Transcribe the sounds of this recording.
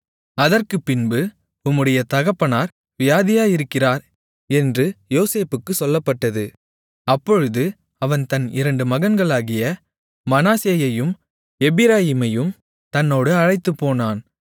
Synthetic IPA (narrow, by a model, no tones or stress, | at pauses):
ɐðɐrkɯpːɪnbɯ | ʊmːɯɽɐjɐt̪ɐɣɐpːɐnaːɾ | ʋɪjaːðɪjaːjɪɾɯkːɪraːɾ | ɛndrɯjoːseːpɯkːɯsɔlːɐpːɐʈːɐðɯ | ɐpːɔɻɯðɯ | ɐʋɐnt̪ɐnɪɾɐɳɖɯmɐɣɐnɡɐɭaːɣɪjɐ | mɐnaːseːjɐjɯm | ɛbɪɾaːjɪmɐjɯm | t̪ɐnːoːɽɯɐɻɐɪt̪ːɯpːoːnaːn